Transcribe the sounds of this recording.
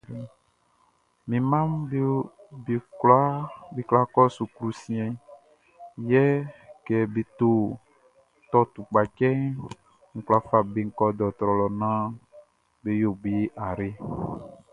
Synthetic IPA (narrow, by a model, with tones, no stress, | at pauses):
mĩ˨mã˦mbe˦be˨kla˦be˦kla˦kɔ˦su˨kɾu˨sĩ˦ɛ̃˨ | jɛ˦kɛ˨be˨t̪o˦ | t̪ɔ˦t̪u˨k͡pa˨t͡ʃɛ˦ | ŋ̩˨kla˦fa˨be˨ŋ̩˦˨kɔ˦d̪ɔ˨t̪ɾɔ˨lɔ˨nã˦ | be˨jo˨be˨˦ʔa˨ɾe˦